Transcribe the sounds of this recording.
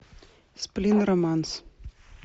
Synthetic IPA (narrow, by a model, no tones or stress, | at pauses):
splɪnɾɔmans